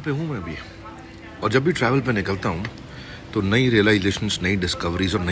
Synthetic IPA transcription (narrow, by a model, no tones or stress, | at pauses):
peɦũmɛ̃ɐbʱi | ɔːɾd͡ʒɐbːiʈɾɛːʋəlpenɪkəlt̪aɦũ | t̪onɐiɾiəlaːɪzeːʃə̃nsnɐiɖɪskɐʋɾizɔːɾnɐ